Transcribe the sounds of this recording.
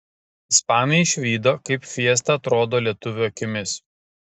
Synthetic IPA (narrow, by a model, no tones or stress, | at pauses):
ɪspɑːnʲʊɛɪʃʲʋʲiːd̪oːkɐɪpfʲiɛst̪ɐɐt̪ɾoːd̪oːlʲiɛt̪ʊʋʲuɐkʲɪmʲɪs